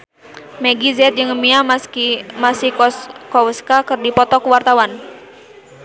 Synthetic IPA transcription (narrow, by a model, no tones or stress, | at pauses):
mɛɡizɛt̪̚d͡ʒɨŋəmiakmasihkɔwəskakɨrdipɔt̪ɔkuwart̪awan